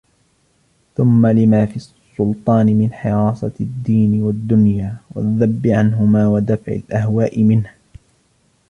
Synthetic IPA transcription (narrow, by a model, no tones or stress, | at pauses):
θʊmːalɪmaːfissˤːʊlt̪ˤɑːnɪmɪnħɪɾɑːsˤɑd̪ːiːnɪwad̪ːʊnjaːwa̰ðːabːɪʕanɦʊmaːwad̪afʕɪ̰lʔahwaːʔɪmɪnh